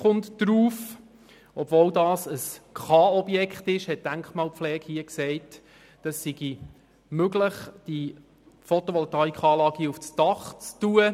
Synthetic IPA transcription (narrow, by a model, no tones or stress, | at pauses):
χʊntd̥ɾuːf | ʔɔb̥voːldɑːsəskχɑːɔbjɛkχtɪʃhɛt̚d̥æŋkχmɑːlpflɛːkhiəksɛɪt | d̥ɑsːiɡ̥i | møɡləχd̥i | fɔt̪ɔʋɔlt̪ɑːikχɑːlɑːɡiuft͡sd̥ɑχt͡stuə